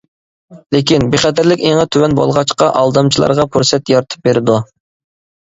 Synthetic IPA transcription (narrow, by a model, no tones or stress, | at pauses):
lɪkʲinbeχɛd̪ɪɾlɪkʲeŋɨt̪ʰywɛnbo̰lˠʁɑt͡ʃqɑʔɑlˠd̪ɑmt͡ʃʰilˠɑ̰ɾʁɑpʰuɾsɛt̪jɑɾt̪ʰɨ̥p̚beɾɪd̪u